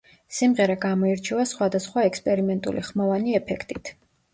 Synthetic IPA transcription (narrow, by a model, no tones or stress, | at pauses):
simʁɛɾaɡamɔiɾt͡ʃʰɛvasχwad̪asχwaɛkspʼɛɾimɛnt̪ʼṵlḭχmɔvaniɛpʰɛkʰt̪ʼit̪ʰ